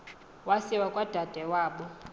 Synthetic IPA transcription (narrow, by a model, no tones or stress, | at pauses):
wasiwakʼwad̥ʱad̥ʱɛwaːɓɔ